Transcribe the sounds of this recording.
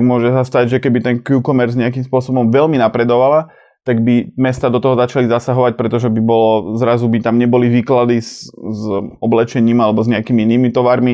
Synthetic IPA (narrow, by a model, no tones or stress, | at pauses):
ɡmʊɔʒɛsast̪aɟʒɛkɛbit̪ɛnkjukɔmɛɾzɲɛakimspʊɔsɔbɔmʋɛʎminapɾɛd̪ɔʋala | t̪aɡbimɛst̪aːd̪ɔt̪ɔɦɔzat͡ʃalizasaɦɔʋac̚pɾɛt̪ɔʒɛbibɔlɔzɾazubit̪amɲɛbɔliʋiːklad̪izzɔblɛt͡ʃɛɲiːmalɛbɔzɲɛakimiiniːmit̪ɔʋaɾmi